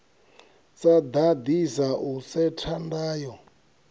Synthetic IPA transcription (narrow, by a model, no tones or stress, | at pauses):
t͡sad̪ad̪isausɛtʰandaːjɔ